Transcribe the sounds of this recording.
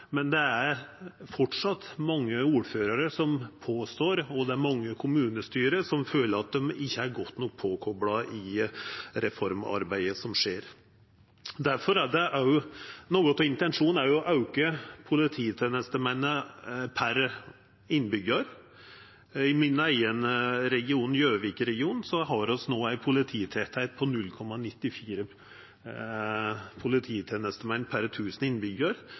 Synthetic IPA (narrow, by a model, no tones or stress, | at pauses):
mɛnd̪ɛæɾfɔʈʂɑt̪mɑŋːəuːɾføːɾɑɾəsɔmpʰoːst̪oːɾɔd̪ɛæɾmɑŋːəkʰʊmʉːnəst̪yːɾəsɔmføːləɾɑt̪̚d̪ɛmɪçːəæɾɡɔt̪ːnuːk̚pʰoːkʰɔbɽɑʔɪ | ɾɛfɔɾmɑ̰ɾbæɪəsɔmʂeːɾ | d̪æɾfɔɾæɖɛʔæʊnoːɡɔt̪ɔɪnt̪ɛnʂuːnæɾjʊɔʔɑʉkəpʰʊlɪt̪ʰiːt̪ʰeːnəst̪əmɛnːəpʰæɾ | ɪnːbʏɡəɾ | ɪmɪnːæɪənəɾɛɡɪuːnn̩jøːʋiːkəɾɛɡɪuːnsɔɦɑɾɔsnoːæɪpʰʊlɪt̪ʰiːt̪ʰɛt̪ʰæɪt̪̚pʰɔnʉlkʰɔmːɑnɪt̪ːɪfiːɾə | pʰʊlɪt̪ʰiːt̪ʰeːnəst̪əmɛnːpʰæɾt̪ʰʉːsn̩ɪnːbʏɡəɾ